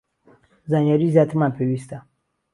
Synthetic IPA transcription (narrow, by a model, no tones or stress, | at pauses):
zaɲjaɾizat̪ʰimapʰewist̪a